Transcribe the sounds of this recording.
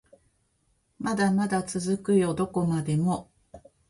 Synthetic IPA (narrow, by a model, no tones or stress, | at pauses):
mad̪amad̪at͡sɨzɨkɯ̟jo̞d̪o̞ko̞mad̪e̞mo̞